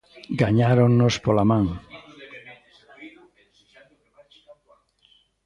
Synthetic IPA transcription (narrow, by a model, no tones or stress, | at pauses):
ɡaɲaɾonnospolamãŋ